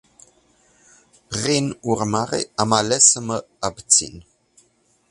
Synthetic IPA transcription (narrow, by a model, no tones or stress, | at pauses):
ʁinurmaʁḛamalɛsəmə | abt͡sḭn